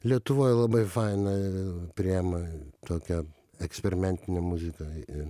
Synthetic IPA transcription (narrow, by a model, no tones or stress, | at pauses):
lʲiɛt̪ʊʋoːjɛlˠɐbɐɪfɑɪnɐpʲɾʲɪɛmɐt̪oːkʲɛ | ɛksʲpʲɛɾʲɪmʲɛnʲt̪ʲɪnʲɛmʊzʲɪkɐɪ